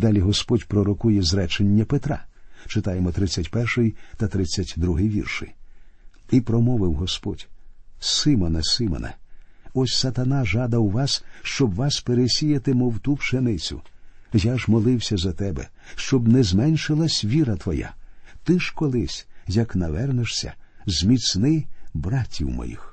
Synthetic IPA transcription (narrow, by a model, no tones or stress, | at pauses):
d̪ɑlʲiɦɔspɔdʲpɾɔɾɔkujɛzɾɛt͡ʃenʲːɐpet̪ɾɑ̰t͡ʃɪt̪ɑjemɔt̪ɾɪt͡sʲːɐtʲpɛrʃɪjt̪ɐt̪ɾɪt͡sʲːɐtʲd̪ɾuɦɪjʋʲḭrʃɪ̰j | ipɾɔmɔʋɪwɦɔspɔdʲsɪmɔnɐsɪmɔ̰nɐ̰ɔsʲsɐt̪ɐnɑʒɑd̪ɐwʋɑsʃt͡ʃɔbʋɑspeɾesʲijɐt̪ɪmɔwt̪upʃenɪt͡sʲʊ̰jaʒmɔlˠɪwsʲɐzɐt̪ɛbɛ̰ | ʃt͡ʃɔbnɛzmɛnʲʃɪlˠɐsʲʋʲiɾɐt̪ʋɔja̰t̪ɪʃkɔlˠɪsʲjɐknɐʋɛrneʃsʲɐ̰zmʲit͡s̪nɪbɾɑtʲːḭwmɔ̰jḭx